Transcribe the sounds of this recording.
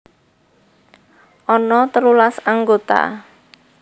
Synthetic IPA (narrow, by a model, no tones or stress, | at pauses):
ʔɔnɔt̪əlulasaŋɡot̪a̰